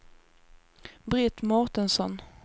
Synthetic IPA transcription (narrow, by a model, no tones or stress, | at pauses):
bɾɪt̪mɔɾt̪ənsɔn